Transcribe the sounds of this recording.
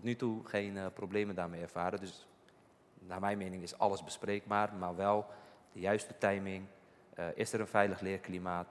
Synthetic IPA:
tɔtnytuxeːnprobleːməndarmɛjɛrfaːɾədøs | naːmɛjnmenɪŋɪsɑ̰ləsbəspreːk̚baːrmarʋɛlˠd̥əjœɥstətɛjmɪŋ | ʔɪsəɾənfɛjləxlɪərklimaːt

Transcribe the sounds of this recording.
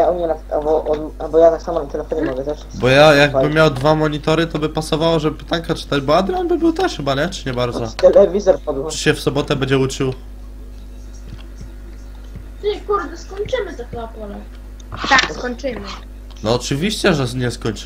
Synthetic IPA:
aɔɲʲɛnat̪a̰bɔʔɔabɔjat̪aksamɔnat̪t̪ɛlɛfɔɲɛmɔɡɛt̪ɛʂ | bɔjajaɡ̚bɘmʲːjawd̪vamɔɲit̪ɔɾɘt̪ɔbɘpasɔvawɔʐɛbɘpt̪aŋkat͡ʂɘ̥t̪ad͡ʑbɔad̪ɾʲjɔnbɘbɘwt̪ɛʂxɘbaɲɛt͡ʂɨ̥ɲɛbaɾd̪zɔt̪ɛlɛvʲizɔɾpɔd̪wt͡ʃɕɛfsɔbɔt̪ɛbɛɲd͡ʑɛut͡ʂɘw | t̪ɛkuɾd̪ɛskɔɲt͡ʂɘmɘt̪ɔxapɔlɛ | t̪akskɔɲt͡ʂɘmɘ | nɔːt͡ʂɘvʲiɕt͡ɕɛʐɛɲɛskɔɲʲt͡ʂ

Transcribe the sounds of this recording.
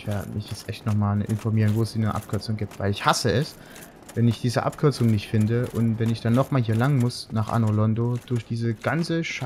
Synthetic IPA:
ɪv̥eɐdə̰mɪçjɛt͡stʔɛçtnɔχmaːlʔɪ̰nfɔɐmiːʁ̞ənvoːɛsd̥iːnəʔa̰p̚kʰʏɐt͡sʊŋɡiːp̚tv̥aɪlɪçhasəɛs | vɛnɪçd̥iːzə̰ʔa̰p̚kʰʏɐt͡sʊŋnɪçtfɪndəʔʊntvɛnɪçd̥anːɔχmaːlɦiːɐlaŋnmʊsnaːχʔa̰nolɔndod̥ʊɐçd̥iːzəɡ̥ant͡səʃ

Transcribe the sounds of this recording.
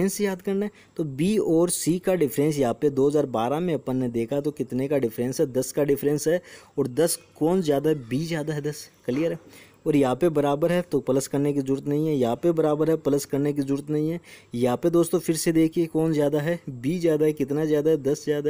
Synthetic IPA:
ẽnsejaːd̪kɐɾnaɦɛ | t̪obiːɔːɾsiːkaɖɪfʰɾɛ̃ːns̬jɐɦãːped̪oːɦɐzaːɾbaːɾamẽɐpənːẽd̪eːkʰat̪okɪt̪nekaɖɪfʰɾɛ̃nsɦɛd̪ɐskaɖɪfɾɛ̃nsɦɛɔːɾd̪ɐskɔːnzjaːd̪aɦɛbiːzjaːd̪aɦɛd̪ɐskɐlijəɾɦɛ | ɔːɾjɐɦãpebɐɾaːbəɾɦɛt̪opɐləskɐɾnek̬izəɾuːɾət̪nɐɦĩɦɛjɐɦãpebɐɾaːbəɾɦɛpɐləskɐɾnek̬izɾuːɾət̪nɐɦĩɦɛːjɐɦãped̪oːst̪õfɪɾsed̪eːkʰiekɔːnzjaːd̪aɦɛbiːzjaːd̪aɦɛkɪt̪nazjaːd̪aɦɛd̪ɐszjaːd̪a

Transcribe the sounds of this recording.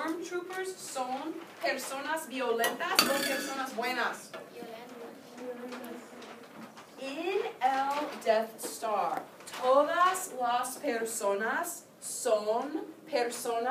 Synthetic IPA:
amt̪ɾupəsːonpeɾsonazbjolẽnt̪asdepeɾsonazbwenas | ɪneld̪ɛθstaɾ | t̪ʰoðaslaspeɾsonasː | onpʰeɾsona

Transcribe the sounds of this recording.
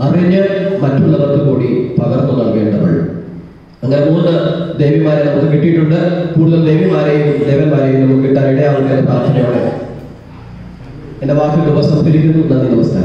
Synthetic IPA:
ɐriɲːɨmɐtːuɭːɐʋɐk̪ːɨkuːɽipɐɣɐrnːɐnɐɭke̞ːɳɖɐpɐ̰ɭṵ | ɐŋːɐne̞muːnːɨd̪e̞jʋimaːɾenɐmːukːɨkiʈːijiʈːuɳɖɨkuːɽuðɐld̪e̞jʋimaːɾejud̪ejʋɐnmaːɾejunːɐmukːiʈːɐiɽejaːʋɐkːeɐlːɐpɾaːʂɐnɐjoːɽḛ | endeʋaːkjɐd̪iʋɐsɐmt̪iɾiɾunːunːɐniːd̪iʋɐst̪a̰ː

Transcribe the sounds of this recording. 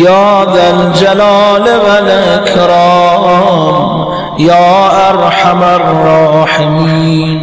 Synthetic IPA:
jɑːd̪ald͡ʒalɑːlebalʔekʰɾɑːm | jɑːʔaɾħamarːɑːħɪmiːn

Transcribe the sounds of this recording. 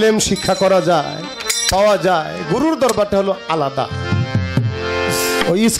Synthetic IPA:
lemʃikʰːakɔɾad͡ʒaɪ | pawad͡ʒaeɡuɾuɾd̪ɔɾbaɾʈaɦoloalad̪a̰ | ois

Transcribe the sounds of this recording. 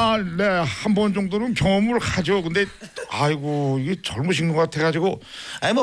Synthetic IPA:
ne̞hanbʌnd͡ʑʌŋdoɾɯnkjʌŋʌmɯɭkad͡ʑokɯnde̞aiɡoiɡe̞t͡ɕʌɭmuɕʰiŋnoɡat̪ʰeɡad͡ʑiɡoaimʌ

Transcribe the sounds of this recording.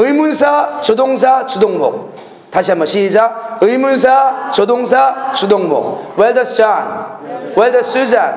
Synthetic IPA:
ɯjmunsʰat͡ɕod̪oŋs̬ʰat͡ɕud̪oŋbo̰k̚ | t̪aɕʰiamʌɕʰid͡ʑaɯjmuns̬ʰat͡ɕod̪oŋs̬ʰat͡ɕud̪oŋbo̰ŋweldʌsanweldʌsud͡ʑan

